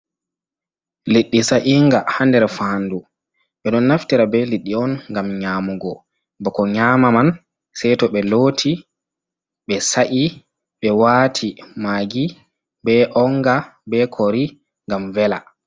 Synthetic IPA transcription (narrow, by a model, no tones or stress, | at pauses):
leɗːisaʔiŋɡahandɛɾfandu | ɓɛɗɔnːaftiɾabɛliɗːiɔnŋɡamɲaːmuɡɔ | bɔkɔɲaːmaman | sɛjtɔɓɛloːtʰi | ɓɛsaʔi | ɓɛwaːtʰimaːɡi | bɛʔɔŋɡabɛkʰoɾi | ŋɡamvɛla